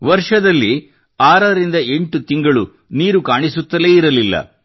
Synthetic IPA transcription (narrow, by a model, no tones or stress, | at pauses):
ʋɐɾʂɐd̪ɐlːi | aːɾɐɾind̪ɐe̞ɳʈut̪iŋɡɐɭu | niːɾukaːɳisut̪ːɐleːiɾɐlilːɐ̰